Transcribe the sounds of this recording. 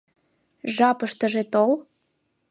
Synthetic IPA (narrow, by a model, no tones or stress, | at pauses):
ʒɑpəʃt̪ə̆ʒet̪ol